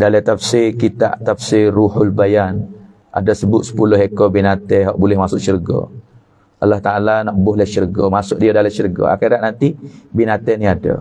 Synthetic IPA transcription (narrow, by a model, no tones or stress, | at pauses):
dalɛt̪afsikit̪a̰ʔt̪afsiruhʊlbajan | ʔa̰dasəbʊt̪̚sə̥pulʊhɦekobinat̪ɛɦɔʔbulɛhmasʊʔ̚t͡ʃərɡɔ̰ | ʔalːaht̪aʔalanɔʔbʊhləht͡ʃərɡɔmasʊʔ̚diadalat͡ʃərɡɔ̰a̰xiɾaʔ̚nant̪ibinat̪ɛniada̰